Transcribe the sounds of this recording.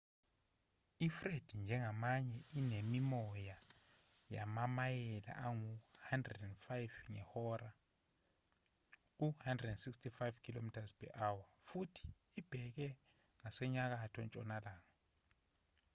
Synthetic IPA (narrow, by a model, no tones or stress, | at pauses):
ifred̥ʱind͡ʒʱɛŋamaɲɛinemimɔja | ja̰mamajɛla̰ʔaŋuhandrɛdɛndfajvŋɛhɔra | k̬uhandrɛdɛnsikstʰifajvkʰilomitʰazpʰɛ̰ʔawafutʰi̥ːb̥ʱɛk̬ɛ | ŋasɛɲak̬atʰɔnt͡ʃʼɔnalaːŋa